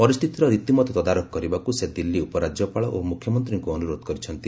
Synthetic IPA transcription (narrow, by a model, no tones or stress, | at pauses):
pɔɾist̪ʰit̪iɾɔɾit̪imɔt̪ɔt̪ɔd̪aɾɔkɔkɔɾibakused̪ilːiupɔɾad͡ʒjɔpaɭɔʔomukʰːjɔmɔnt̪ɾiŋkuɔnuɾod̪ɔ̥kɔɾit͡ʃʰɔnt̪i